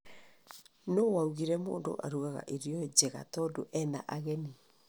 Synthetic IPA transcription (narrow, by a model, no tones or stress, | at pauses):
nowauɣiɾɛmo̰ːndo̰ʔa̰ɾuɣaɣa̰ʔeɾjɔd͡ʑɛɣa̰tɔdoʔɛnaʔaɣɛni